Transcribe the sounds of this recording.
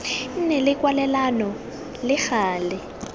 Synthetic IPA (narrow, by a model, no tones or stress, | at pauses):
n̩nɛlɪkwalɛlanɔ | lɪxaːlɪ